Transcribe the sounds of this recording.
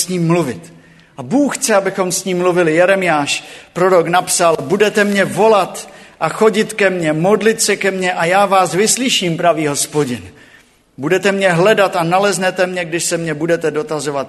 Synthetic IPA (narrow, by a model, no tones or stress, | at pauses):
sɲiːmːluvɪt̪ | ʔabuːxxt͡sɛabɪxo̞msɲiːmːluvɪlɪjɛɾɛmɪjaːʃpɾo̞ɾoknapsalbudɛt̪ɛmɲɛvo̞lat̪ʔaxo̞ɟɪt̪kɛmɲɛmo̞dlɪt̪sɛkɛmɲɛʔajaːvaːsvɪslɪʃiːmpɾaviːɦo̞spoɟɪn | budɛt̪ɛmɲɛɦlɛdat̪analɛznɛt̪ɛmɲɛɡdɪʃsɛmɲɛbudɛt̪ɛdo̞t̪azo̞vat̪̚